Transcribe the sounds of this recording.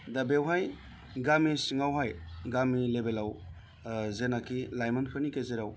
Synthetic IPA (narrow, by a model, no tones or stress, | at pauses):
dabewɦaj | ɡamisiŋawɦajɡamilebelaw | zenakʰilajmanpʰɯnikezeɾaw